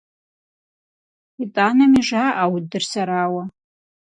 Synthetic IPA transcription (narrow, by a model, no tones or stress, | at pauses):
itʼanamiʐaʔawd̚dɨrsaɾaːwa